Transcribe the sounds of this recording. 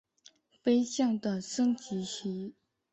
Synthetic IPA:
pe˥ɪɕjɑ˥˩ŋd̪ə˨ʂɤ˥ŋt͡ɕi˧˥ɕi˧˥

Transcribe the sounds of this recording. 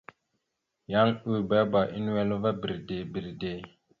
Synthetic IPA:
ja˦ŋu˦˨ba˦ba˨ʔi˦n˦wɛ˦lo˦va˦bi˨ɾde˨bi˨ɾde˨

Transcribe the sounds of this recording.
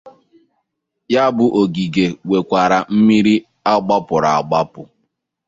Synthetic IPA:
ja˦bʊ˦ʔo˨ɡi˨ɡe˨we˨kʷa˨ɾa˨m̩˦mi˦ɾi˦ | a˦ɡ͡ba˦pʊ˨ɾa˨a˨ɡ͡ba˦pʊ˨

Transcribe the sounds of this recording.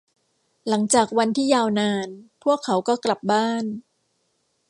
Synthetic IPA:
la˩˦ŋt͡ɕaː˨˩k̚wa˧nt̪ʰiː˥˩jaː˧wnaː˧npʰu˥˩əkʰːa˩˦wkɔː˥˩kla˨˩p̚baː˥˩n

